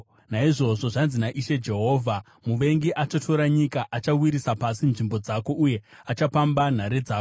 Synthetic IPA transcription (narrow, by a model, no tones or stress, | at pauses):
naiʐo̞ʐo̞ʐanzinaʔiʃe̞d͡ʒe̞ɦo̞ːvʱa | muʋe̞ŋɡiʔat͡ʃotʰo̞ɾaɲikaʔat͡ʃawiɾisapasinʐimbo̞d͡zako̞ʔuje̞at͡ʃapamban̤aɾed͡zaːko